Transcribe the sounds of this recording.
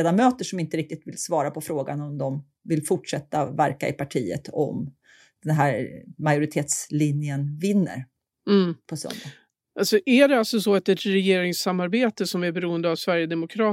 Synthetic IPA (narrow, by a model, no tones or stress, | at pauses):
eːd̪amøːt̪əʂɔmɪnt̪əɾɪk̚t̪ɪt̪vɪlsvɑːɾapʰɔfɾoːɡa̰nɔmd̪ɔm | vɪlfʊʈʂɛt̪ːavæɾka̰ɪpʰaʈʰiːə̰t̪ʰɔ̰m | d̪̥ɛnɦæːɾmajʊɾɪt̪ʰeːt̪slɪnjənvɪnːə̰ɾ | pʰɔst̪ɵ̰nd̪ə | ʔasɔʔæɖɛalsɔsɔat̪ɛt̪ɾɛjeːɾɪŋsamːaɾbeːt̪əsɔmæɾbɛɾuːənd̪əavsvæɾjəd̪ɛmʊkʰɾɑː